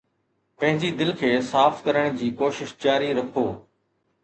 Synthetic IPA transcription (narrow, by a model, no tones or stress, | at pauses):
pɐ̃ɦɪ̃ɲd͡ʑid̪ɪlkʰeːsaːfkɐɾəɽ̃d͡ʑiːkoːʃɪʃt͡ɕaːɾiɾɐkʰoː